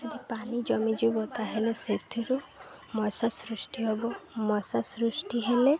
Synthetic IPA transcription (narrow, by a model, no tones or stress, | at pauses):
ɔd̪ʱipanid͡ʒɔmid͡ʒubɔt̪aɦeleset̪ʰiɾumɔsasɾusʈiɦobɔmɔsasɾusʈiɦele